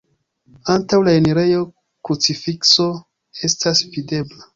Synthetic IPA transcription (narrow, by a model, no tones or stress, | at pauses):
antawlaeneɾe̞jo̞ | kut͡sifikso̞ | e̞stʰasvide̞bla